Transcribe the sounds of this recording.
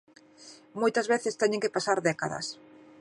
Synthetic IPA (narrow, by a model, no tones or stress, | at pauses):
mojt̪ɐzβeθɪst̪ɛɲẽŋkɪpasaɾðɛkaðɐ̰s